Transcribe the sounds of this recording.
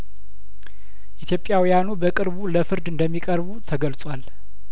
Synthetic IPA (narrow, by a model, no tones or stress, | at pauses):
ʔit̪ʰjo̞pʼjawijanubəkʼɨɾβuləfɨɾd̪ɨnd̪əmːikʼəɾβut̪ʰəɡəlt͡sʼwal